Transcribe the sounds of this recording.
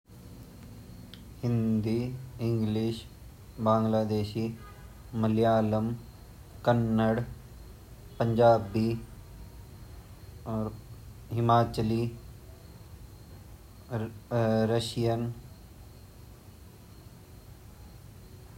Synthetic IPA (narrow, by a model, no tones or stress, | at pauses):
hɪ̃nd̪iːɪŋɡliʃ | bãːŋɡlaːd̪eːʃiː | məljaːləm | kənːəɽ | pəɲd͡ʒaːbiː | ɦɪmaːt͡ʃəli | ɾəʃijən